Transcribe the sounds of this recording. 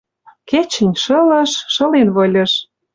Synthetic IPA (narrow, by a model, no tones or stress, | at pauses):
ket͡ɕə̆nʲʃɤ̆lɤ̆ʃːɤ̆lenβɤ̆lʲɤ̆ʃ